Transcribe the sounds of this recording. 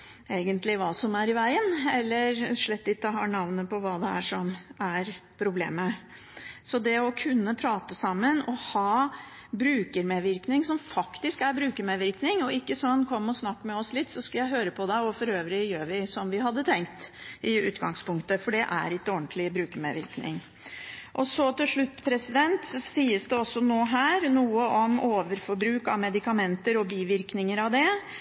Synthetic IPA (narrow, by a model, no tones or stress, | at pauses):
eːɡənt̪lɪʋɑːsɔmæɾɪʋæɪənɛlːəɾʂɭɛt̪ːɪt̪ːɔɦɑ̰ːnɑʋnəpɔʋɑːd̪ɛæ̰ʂɔmæɾpʰɾʊblḛːmə | sɔd̪ɛɔkʰʉnːəpʰɾɑːt̪əsɑmːənɔhɑː | bɾʉːkəɾmeʋɪɾknɪŋsɔmfɑkt̪ɪskæɾbɾʉːkəmɛʋɪɾknɪŋɔɪkːəsɔnːkʰɔmːɔsnɑkːmɛɔslɪt̪ːsɔskɑljæɪɦøːɾəpʰɔd̪ɛɔfɔɾøːʋɾɪjøːʋɪsɔmʋɪɦɑd̪ːət̪ʰɛŋkt̪ɪʉ̰ːt̪ɡɑŋspʊŋkt̪əfɔɖɛʔæ̰ɾɪkːəɔnt̪ʰlɪbɾʉːkəmḛʋɪ̰ɾknɪ̰ŋ | ʔɔsɔt̪ɪlʂɭʉt̪ːpʰɾɛsɪd̪ɛnt̪siːəsd̪ɛɔsːɔnoːɦæːɾnuːəʔɔmoːʋəɾfɔɾbɾʉːkɑ̰ʋmɛd̪ɪkɑmɛnt̪əɾɔbiːʋɪɾknɪŋəɾɑʋd̪ɛ